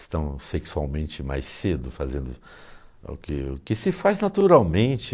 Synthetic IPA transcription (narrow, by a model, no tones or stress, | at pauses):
st̪ɐ̃w̃seksua̰wmẽnt͡ʃɪma̰jsed̪ʊfazẽnd̪ʊ | ʊ̰kɪʊkɪsɪfaznat̪uɾawmẽnt͡ʃɪ